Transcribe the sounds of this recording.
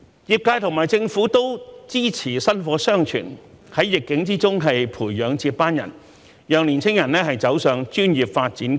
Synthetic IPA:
jiː˨˧p̚kaː˧jt̪ʰʊ˨˩ŋmaː˨˩jt͡sɪ˧ŋfuː˨˥t̪o˥wt͡siː˥t͡sʰiː˨˩sɐ˥nfɔː˨˥sœː˥ŋt͡ʃʰy̰ː˨˩n | hɐ˨˥jːɪ˨kːɪ˨˥ŋt͡siː˥t͡sʊ˥ŋɦɐ˨jpʰuː˨˩jːœː˨˧ŋt͡siː˧˥p̚pːaː˥njɐ̰˨˩n | jœː˨˧ŋliː˨˩nt͡sʰɪ˥ŋjɐ˨˩nlɛː˥ɦɐ˨jt͡sɐ˨˥wsœː˨˧ŋt͡ʃyː˥njiː˨p̚faː˧t̚t͡siː˨˥n

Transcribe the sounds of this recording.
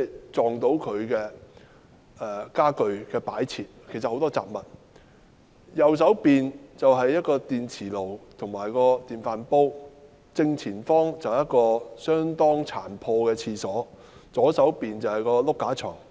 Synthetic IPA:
t͡sɔː˨ŋt̪o˨˥wkʰɵ˨˧ɥkɛː˧ | ɛː˨˩kaː˥kɵ˨˧ɥkɛː˧paː˨˥jt͡sʰiː˨t̚kʰe˨˩jsɐt̚ho˨˥wt̪ɔː˥t͡sa̰ː˨p̚mɐ˨t̚ | jɐ˨˧ws̬ɐ˨˥wpiː˨nt͡sɐ˨wɦɐ˨jːɐ˥t̚kɔː˧t̪iː˨nt͡sʰiː˨˩lo˨˩wt̪ʰʊ˨˩ŋmaː˨˩jkɔː˧t̪iː˨nfaː˨˧npo˥w | t͡sɪ˧ŋt͡sʰiː˨˩nfɔː˥ŋt͡sɐ˨wjɐ˥t̚kɔː˧sœː˥ŋt̪ɔː˥ŋt͡sʰa̰ː˨˩npʰɔː˧kɛː˧t͡sʰiː˧sɔː˨˥ | t͡sɔː˨˥sɐ˨˥wpiː˨nt͡sɐ˨whɐ˨jkɔː˧lʊ˥kːaː˨˥t͡ʃʰœ̰ː˨˩ŋ

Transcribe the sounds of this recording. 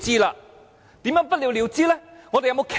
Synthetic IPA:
t͡siː˥laː˧ | t̪iː˨˥mjœː˨˧˥ŋpɐ˥t̚li˧wli˨˧wt͡siː˥lɛ˥ŋɔː˨˧t̪e˨jɐ˧mo˧wkʰ

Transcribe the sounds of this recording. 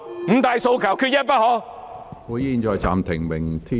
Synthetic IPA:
m̩˨˥˩t̪aː˨˧jso˧wkʰɐ˨˩wkʰy˧t̚jɐ˥n̚pɐ˥t̚hɔː˨˧˥ | kuː˨˥jjiː˧nt͡ʃɔː˨˧jt͡sa̰ː˨mt̪ʰɪ˨˩ŋmɪ˨˩ŋt̪ʰi˥

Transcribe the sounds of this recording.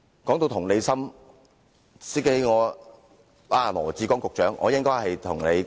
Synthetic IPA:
kɔː˨˥ŋt̪o˧wt̪ʰʊ˨˩ŋne˨˧jsɐ˥m | siː˥ke˨˥jŋɔː˨˧ | aː˨˧˩lɔ̰ː˨˩t͡siː˨˧kɔː˨˥ŋkʊ˨k̚t͡ʃœː˨˥ŋʔɔ̰ː˨˧jɪ˥ŋkɔː˥jhɐ˨jt̪ʰʊ˨˩ŋne˨˧j

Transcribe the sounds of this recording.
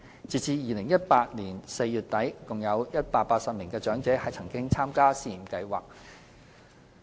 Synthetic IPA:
t͡siː˨t͡siː˧jiː˨˧lɪ˨˩ŋjɐ˥t̚paː˧t̚niː˨˩nse˧jjyː˨˩t̚t̪ɐ˨˥jkʊ˨˩ŋjɐ˨˧wjɐ˥t̚paː˧t̚paː˧t̚sɐ˨p̚mɪ˨˩ŋkɛː˧t͡ʃœː˨˥ŋt͡sɛː˨˥hɐ˨jt͡sʰɐ˨˩ŋkɪ˥ŋt͡sʰaː˥mkaː˥siː˧˩˨mkɐ˧jwaː˨k̚

